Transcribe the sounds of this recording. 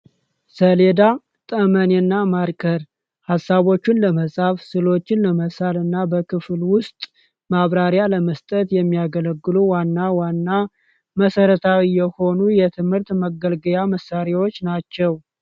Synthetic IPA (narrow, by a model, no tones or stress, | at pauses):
səle̞d̪a | t̪ʼəmənenːamaɾkʰʼəɾ | hasːaβo̞t͡ʃːɪnləməsʼafsɨlo̞t͡ʃːɪnləməsalɨnːabəkʰɨflwʊst̪ʼ | maβɾaɾjaləməst̪ʼət̪jɛmːijaɡələɡːɨluwanːawanːa | məsəɾət̪ʰawijɛho̞nujɛt̪ʰɨmhɨɾt̪məɡəlɡəjaməsːaɾewo̞t͡ʃːnat͡ʃːɛw